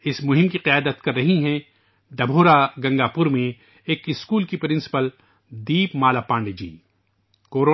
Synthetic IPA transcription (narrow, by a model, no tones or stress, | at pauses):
ɪsmʊɦɪ̃mkiqɪjaːd̪ət̪kɐɾːɐɦiɦɛ̃ | ɖɐbʱoːɾaɡɐ̃ŋɡaːpʊɾmẽ | eːkɪskuːlkipɾɪ̃nsɪ̥pəl | d̪iːpmaːlapãːɳɖd͡ʒḭː | koːɾoː